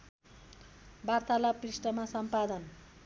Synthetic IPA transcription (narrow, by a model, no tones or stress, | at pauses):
bart̪alaprisʈʌmasʌmpad̪ʌn